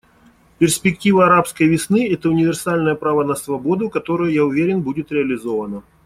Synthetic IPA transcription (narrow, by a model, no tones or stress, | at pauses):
pʲɪrsʲpʲɪktʲivəɐɾapskəjvʲɪsnɨɛt̪əʊnʲɪvʲɪrsalʲnəjəpɾavənəsvɐbo̞d̪ʊkɐt̪o̞ɾəjʊjaʊvʲeɾʲɪnbudʲɪt̪ɾʲɪɐlʲɪzo̞vənə